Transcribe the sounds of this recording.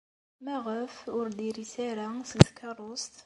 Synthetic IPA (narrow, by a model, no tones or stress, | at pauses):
mæʁəfʊɾd̪iɾisæɾæsənt̪kʰːɑɾˤost̪